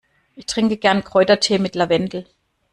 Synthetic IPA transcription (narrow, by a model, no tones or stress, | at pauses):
ʔɪçtʁ̥ɪŋkəɡ̥ɛɐnkʁ̥ɔʏtɐtʰeːmɪtlavɛndl̩